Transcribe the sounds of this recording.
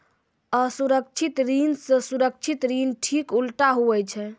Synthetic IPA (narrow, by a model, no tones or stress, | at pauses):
əsuɾək̚t͡ʃʰit̪ɾinsə̃suɾək̚t͡ʃʰit̪ɾinʈʰikulʈaɦuɛt͡ʃʰɛ